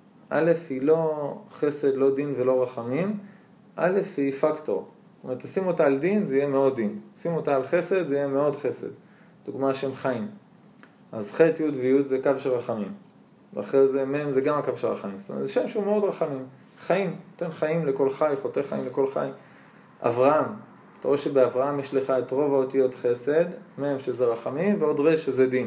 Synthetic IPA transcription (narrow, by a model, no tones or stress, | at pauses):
ʔa̰le̞fhilo̞χe̞se̞d̪lo̞d̪invelo̞ʁaχamim | ʔa̰le̞fhifakto̞̰ʁ | stomeʁetasimotaːldinzeijemeo̞dinsimotaːlχe̞se̞d̪zeijemeo̞dχe̞se̞̰d | d̥uɡmaʃeemχaim | azχet̪judvejudzekavʃelʁaχamim | vḛa̰χʁezemeemzeɡamakavʃelʁa̰χamimstomḛtzʃemʃeumeo̞dʁaχamim | χaimnot̪enχaimleko̞lχajχot̪eχajḭmleko̞lχa̰j | ʔa̰vʁaam | at̪aʁoeʃebeavʁaamjeʃleχaet̪ʁo̞vaotijo̞tχe̞se̞d̪meemʃezeʁaχamimveo̞dʁeʃezedin